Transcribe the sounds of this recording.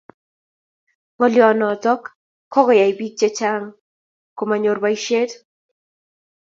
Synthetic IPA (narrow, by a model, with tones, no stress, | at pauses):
ŋɔ˨ljɔ˨nɔ˨tɔ˦kːʰ | ɔ˦ɡɔ˨ja˨i˨bi˦k̚t͡ʃe˦t͡ʃa˦ŋ | ko˨ma˨ɲo˨rbaiʃe˦t